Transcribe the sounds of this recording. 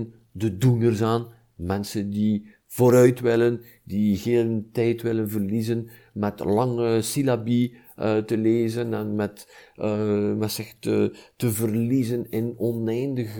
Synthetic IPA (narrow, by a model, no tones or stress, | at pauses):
n | dədunərzaːn | mɛnsəndi | v̥oːɾœɥtwɪlən | diɣeːləntɛjtʋɪlənvərlizən | mɛtlɑŋəsilabi | ətəleːzənɛnmɛt | mɛsɛxtə̰təvərlizənɪnɔnɛjndəɣ